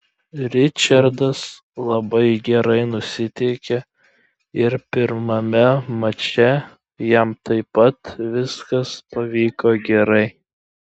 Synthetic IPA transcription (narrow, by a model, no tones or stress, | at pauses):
ɾʲɪt͡ʃʲɐɾd̪ɐs | lˠɐbɐɪɡʲɛɾɐɪnʊsʲɪt̪ʲɛɪkʲɛ | ɪɾpʲɪɾmɐmʲɛmɐt͡ʃʲɛ | jɛmt̪ɐɪpɐt̪ʋʲɪskɐspɐʋʲiːkoːɡʲɛɾɐɪ